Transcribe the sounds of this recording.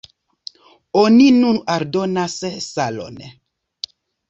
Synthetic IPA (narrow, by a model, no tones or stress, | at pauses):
oninunaɾdonassalo̰n